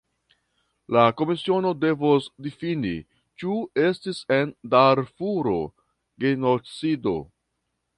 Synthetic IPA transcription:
lako̞misio̞no̞de̞vosdifinḭ | t͡ʃue̞stise̞ndaɾfuɾo̞ | ɡenot͡sido̞̰

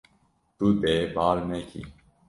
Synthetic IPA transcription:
t̪uːt̪eːbaːlnekʰḭ

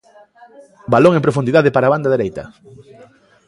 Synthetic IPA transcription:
baloŋeŋpɾofund̪iðaðɪpaɾaːβand̪aðeɾejt̪ɐ̰

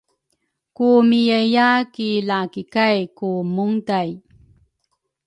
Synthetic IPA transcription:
kumijəjakilakikajkumuŋdaj

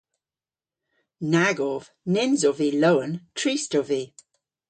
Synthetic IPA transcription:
naɡɔv̥ | nɪnzɔviloʊə̃ntʰɹ̥iˑstɔvi

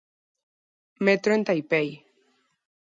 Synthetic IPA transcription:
met̪ɾoent̪ajpej

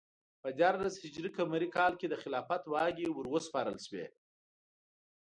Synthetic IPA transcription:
pəd̪ʲjɑɾlazhɪd͡ʒɾikamaɾikɑlked̪əxɪlɑfat̪wɑɡewəɾwəspɑɾəlʃwḛ

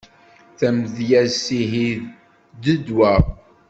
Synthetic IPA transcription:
θæmðjæsiɦið | d̪əd̪wæ

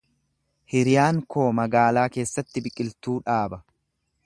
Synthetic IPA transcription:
hɪɾɪjaːŋko̞ːmɐɡaːlaːke̞ːsːɐt̪ːɪbɪkʼːɪlt̪uːᶑaːbɐ

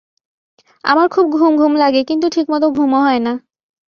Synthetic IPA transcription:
a̰maɾkʰubɡʱumɡʱumlaɡekint̪uʈʰikmɔt̪̬oɡʱumoɦɔena

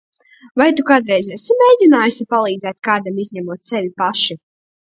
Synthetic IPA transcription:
vajt̪ukaːd̪ɾɛjzɛsimʲejd̪ʲinaːjusipalˠiːd̪zɛːt̪kaːd̪amizʲɲɛmuɔt̪sɛvʲipaʃi

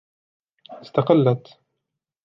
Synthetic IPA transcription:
ɪst̪aqɪlːat̪

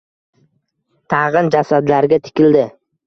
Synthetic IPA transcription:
t̪ʰɑʁɨnd͡ʒasad̪laɾɡʲat̪ʰɪ̥kʲɪld̪ɪ

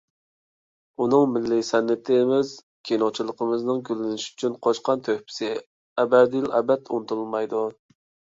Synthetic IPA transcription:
unɨŋmɪlːisɛnːɪt̪ʰɪmɪz | kʲʰenot͡ʃʰilˠəqʰəmɨznɨŋɡʲylːɪnɪʃy̥t͡ʃʰynqʰoʃqɑnt̪ʰøhpʰɪ̥sɪ | ɛbɛɾd̪ɪjlɛ̰bɛt̪unɨt̪ʰulˠɨlˠmɑjd̪u

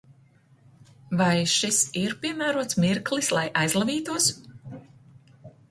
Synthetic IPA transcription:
vajʃisiɾpiɛmæːɾuɔt̪smiɾklˠislˠajʔajzlˠaviːt̪uɔs

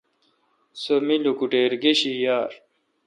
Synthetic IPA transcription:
somilukuʈeːɾɡeɕijaːɾ

